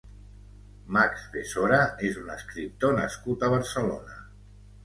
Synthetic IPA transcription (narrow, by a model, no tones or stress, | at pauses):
makzðesoɾaezunəskɾip̚t̪onə̰skut̪əβ̞əɾsəlo̰nə